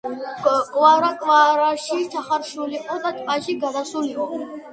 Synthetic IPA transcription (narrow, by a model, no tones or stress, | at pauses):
kʼwaɾakʼwaɾaʃit͡ʃʰaχaɾʃuliqʼɔd̪at̪ʼpʼaʃiɡad̪asuliqʼɔ